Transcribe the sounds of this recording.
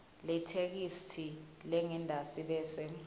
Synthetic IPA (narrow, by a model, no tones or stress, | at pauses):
lɛtʰek̬istʰilɛŋɛndʱasiɓɛːsɛ